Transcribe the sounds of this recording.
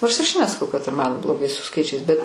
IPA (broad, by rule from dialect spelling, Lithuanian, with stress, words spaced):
noːrs ɪr ɐʃ nʲɛsɐˈkɐʊ kɐt ɪr mɐn blˠoːˈɡɐɪ sʊ ˈskɐɪt͡ʃʲɛɪs bʲɛt